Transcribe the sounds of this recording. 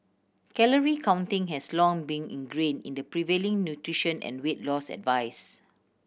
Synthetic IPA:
kɛləɹikʰãwntĩŋɦɛslɔ̃ŋbĩnḭ̃nɡɹẽnḭ̃ndəpɹivelĩŋnjutɹiʃə̃nʔɛ̰̃nwet̚lɔsɛ̰tvaɪs

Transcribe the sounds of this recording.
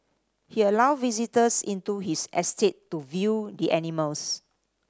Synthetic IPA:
hiəlawvizitəsĩntuhisɛ̰stetːuvjudiʔɛniməls

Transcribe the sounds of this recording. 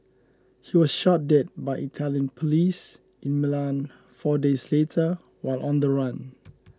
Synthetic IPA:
hiwɔsʃɔt̚dɛt̚baɪitʰaljə̃npʰolis | ĩnmilãn | fɔdesletʰə | waɪlʔɔ̃nd̪əɹãn

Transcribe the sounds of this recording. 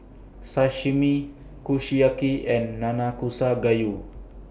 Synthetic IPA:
saʃimi | kuʃiakiʔɛnːanakusaɡaju

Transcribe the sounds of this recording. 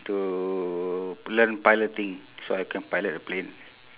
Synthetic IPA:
t̪u | lənpajlətt̪ĩŋsoajkɛ̃npajlət̚dəplẽn

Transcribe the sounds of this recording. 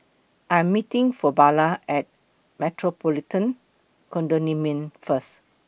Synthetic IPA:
ʔãjɛ̃mːitĩŋfɔbalaɛt̚ | mɛtʰɹopɔlitə̃n | kɔ̃ndonimĩnfəs

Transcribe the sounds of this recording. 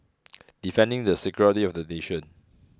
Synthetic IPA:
difɛ̃ndɪ̃ŋdəsɛkjɔɹtiɔfdəneʃə̃n

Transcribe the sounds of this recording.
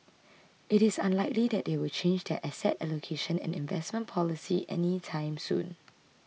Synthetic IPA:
ʔɪɾɪsãnlaɪklidɛʔ̚dewɪlt͡ʃʰẽnd͡ʒdɛ̰ʔɛsɛ̰tɛlokʰeʃə̃nɛ̰̃nɪ̰̃nvɛsmə̃npʰɔlisiʔɛ̰nitʰãɪ̃msṵ̃n

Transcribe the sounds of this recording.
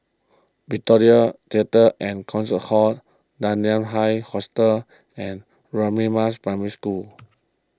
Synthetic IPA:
bitɔɹiatiətəʔɛ̃nkʰɔ̃nsət̚hɔt̚ | danãnɦajhɔstə | ɛ̃n | ɹamimaspɹamiɹiskul

